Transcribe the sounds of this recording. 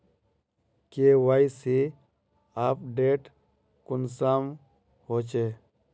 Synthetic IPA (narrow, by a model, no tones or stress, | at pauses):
kewaisi | aːpɖeːʈ | kʊnsam | ɦot͡ʃe